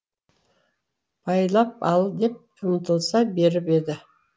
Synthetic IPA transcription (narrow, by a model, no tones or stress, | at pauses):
b̥ʰɑjlˠɑp̚ɑlˠd̪e̞p̚qʰəmt̪əlˠsɑbe̞ɾɪpe̞d̪ɪ